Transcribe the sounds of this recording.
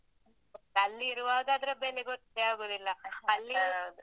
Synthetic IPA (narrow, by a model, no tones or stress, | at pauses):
ɐlːiːɾuʋaːd̪aːd̪ɐɾebeːleɡot̪ɐdeaːɡoːd̪ilːɐɐlːi